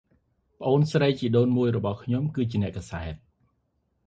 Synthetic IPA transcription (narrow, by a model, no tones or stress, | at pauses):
pə̆ʔoːnsrəjt͡ɕiəɗoːnmuəjrɔɓɑhkʰɲomkɨːt͡ɕiənɛ̆əʔkasaɛt̪̚